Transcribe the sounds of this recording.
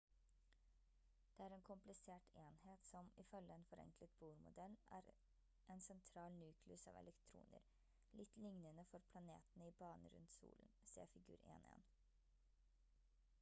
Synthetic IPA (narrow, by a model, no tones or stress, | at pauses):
d̪̥ɛːæːɾeːnkʰʊmplɪseːʈeːnheːt̪sɔmɪfœlːəeːnfɔɾɛ̰ŋklət̪̚buːɾmʊ̰d̪ɛlæ̰ːɾ | ʔeːnsɛnt̪ʰɾɑːlnʉːkʰlːsɑ̰ːʋɛ̰lɛkt̪ʰɾṵːnə̰ɾ | lɪt̪ːlɪŋnənəfɔɾpʰlɑneːt̪ənəiːbɑːnəɾʉ̰nt̪sṵːlənsḛːɾfɪɡʉ̰ːɾḛːnḛːn